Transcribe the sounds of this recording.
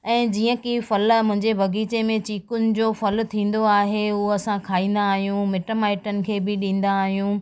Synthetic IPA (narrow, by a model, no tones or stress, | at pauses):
ɛ̃ːd͡ʑiːə̃kifɐlmʊ̃ɦɪ̃ɲd͡ʑebʱɐɡiːt͡ɕemẽt͡ɕiːkʊnɪ̆d͡ʑoːfɐlt̪ʰĩːn̆d̪oaːɦeuɐsãkʰaːĩːn̆d̪aːɦijũmeʈəmaːɪʈənɪ̆kʰeːbɪɗĩːn̆d̪aːɦijũ